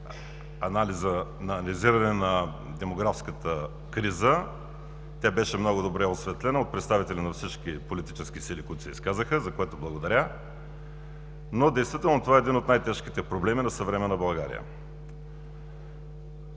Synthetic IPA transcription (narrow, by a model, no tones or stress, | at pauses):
ɐnalizənɐːnlʲiziɾɐnɛnɐ | d̪ɛmoɡɾafskət̪ə | kɾizə | t̪ʲjabɛʃɛmnɔɡʊd̪obɾɛosvɛt̪lɛnəot̪̚pɾɛt̪st̪avit̪ɛlʲinɐfsit͡ʃkʲipolit̪i̥t͡ʃɛsk̟isilikʊit̪ʊ̥sɛ̰ḭskazəxəzɐkoɛt̪oblˠɐɡod̪ɐɾʲa | nod̪ɛjst̪vit̪ɛlˠnot̪ovaɛd̪inot̪najt̪ɛʃkit̪ɛpɾoblɛminɐsəvɾɛmɛnɐbɐlˠɡaɾḭjə̰